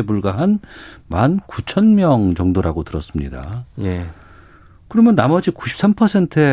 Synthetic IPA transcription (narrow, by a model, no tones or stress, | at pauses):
ebuɭɡaɦanmankut͡ɕʰʌnmjʌŋt͡ɕʌŋdoɾaɡotɯɾʌs͈ɯmɲida̰je | kɯɾʌmjʌnːamʌd͡ʑiku̥ɕʰi̥p̚s͈ampʰʌsʰe̞ntʰɯe